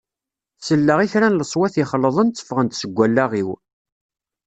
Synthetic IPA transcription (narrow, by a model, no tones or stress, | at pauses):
θsəlːəʁiθɾænləsˤwæθiχəlːəðˤənt͡sːə̥fʁənt̪səɡʷːælːaʁiw